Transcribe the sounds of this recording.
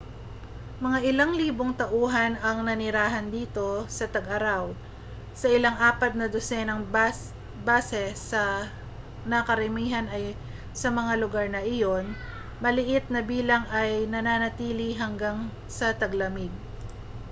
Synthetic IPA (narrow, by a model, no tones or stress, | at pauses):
mɐŋaʔɪlaŋliːboŋt̪ɐʔuːɦɐnɐŋnɐnɪɾaːɦɐnd̪iːt̪o̞sɐt̪ɐɡʔɐɾaw | sɐʔɪlaŋʔaːpɐt̪̚nɐd̪osɛnɐŋ | baːsɛsɐ | nɐkɐɾɐmiːɦɐnɐj | sɐmɐŋalʊɡaɹnɐʔɪjo̞n | mɐlɪʔɪt̪̚nɐbiːlɐŋʔɐjnɐnaːnɐt̪iːliɦɐŋɡaŋ | sɐt̪ɐɡlɐmɪɡ̪̚